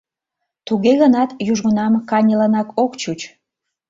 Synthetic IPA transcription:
t̪uɣeɣənɑt̪juʒɣunɑmkɑnʲəlɑnɑkokt͡ɕut͡ɕ

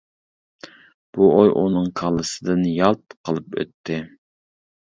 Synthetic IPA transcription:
b̥uʔojʔunɨŋkʰɑlˠɨsɨd̪ɨnjɑlˠt̪̚qʰəlˠɨpø̰t̪ʰːɪ

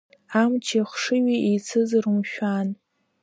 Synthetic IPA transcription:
amt͡ʃʰiχʂɨɥiʔejt͡sʰɨzaɾumʃᶣan

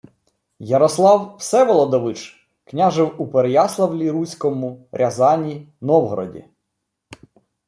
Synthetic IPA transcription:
jɐɾɔslˠɑwwsɛʋɔlˠɔd̪ɔʋɪt͡ʃ | knʲaʒɪwupeɾejɑslˠɐwlʲiɾusʲkɔmʊɾʲʔɐzɑnʲinɔwɦɔɾɔ̰dʲḭ

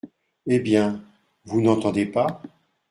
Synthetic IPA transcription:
ebjɛ̃ | vunɑ̃t̪ɑ̃d̪epa

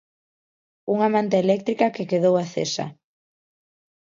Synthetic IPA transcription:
uŋamãnt̪eelɛk̚t̪ɾikakekeðowaθḛsa̰

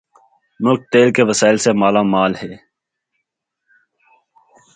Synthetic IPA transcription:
nʊːk̚t̪eːlkeʋəsaːɪlsemaːlaːmaːlheː

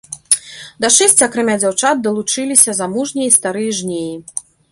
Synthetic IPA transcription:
d̪ɐʂɛsʲt͡sʲiakɾamʲad͡zʲawt͡ʂad̪̚d̪ɐlˠut͡ʂɨlʲisʲɐzamuʐnʲiist̪aɾɨjɐʐnʲeji

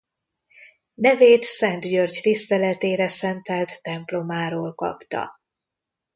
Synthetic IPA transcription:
nɛveːt̪sɛnt̪jørɟt̪ist̪ɛlɛt̪eːɾɛsɛnt̪ɛlt̪ːɛmplo̞maːɾoːlkɒ̰pt̪ɒ̰

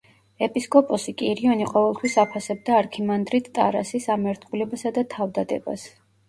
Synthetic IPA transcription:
ɛpʼiskʼɔpʼɔsikʼiɾiɔniqʼɔvɛlˠt̪ʰwisapʰasɛb̚d̪aːɾkʰimand̪ɾit̪ʰt̪ʼa̰ɾa̰sisamɛɾt̪ʰχulɛbasad̪at̪ʰavd̪ad̪ɛ̰ba̰s

